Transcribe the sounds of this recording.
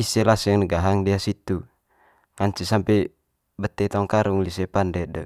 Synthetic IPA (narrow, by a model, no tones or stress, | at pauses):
isɛlasaŋnəɡaɦaŋdiasit̪u | ŋaɲt͡ʃisampɛ | bət̪ːɛt̪ɔŋkaɾuŋlisɛpandɛdə